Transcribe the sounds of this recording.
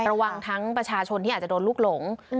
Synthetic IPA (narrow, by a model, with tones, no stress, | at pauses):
ɾa˧wa˧ŋt̪ʰa˦˥ŋpɾa˧t͡ɕʰaː˧t͡ɕʰo˧nt̪i˥˩aː˨˩t͡ɕa˨˩doː˧nluː˥˩k̚lo˩˦ŋ